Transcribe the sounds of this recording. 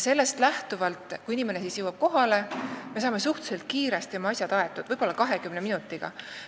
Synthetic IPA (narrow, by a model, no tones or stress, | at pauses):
se̞lːe̞st̪læht̪uvɑlt̪ˑkuinimenesisjewɑb̥̚ko̞ɦɑle̞me̞s̬ɑːme̞suht̪u̥se̞lt̪̚kiːɾe̞st̪iomɑɑsʲjɑd̪̥ɑe̞t̪ːˑud̪̥ɤjbo̞lːɑkɑɦe̞kymne̞minut̪ːˑiɡ̥ɑ̰